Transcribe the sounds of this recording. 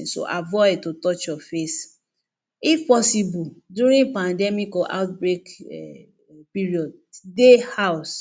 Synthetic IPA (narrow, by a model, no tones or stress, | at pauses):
so̰ʔa̰vɔɪd̚totɔt͡ʃjɔfes | ifpɔsibuduɾĩnpãndɛmikɔʔa̰ʊt̚bɹek | piɹiɔd̚ | dehaʊs